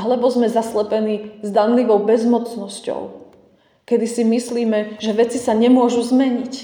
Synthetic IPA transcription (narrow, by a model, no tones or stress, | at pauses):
ɦlɛbɔzmɛzaslɛpɛniːzd̪anliʋɔʊbɛzmɔt͡snɔscɔ̰ʊ | kɛd̪isimisliːmɛʒɛʋɛt͡sisaɲɛmʊɔʒuzmɛɲic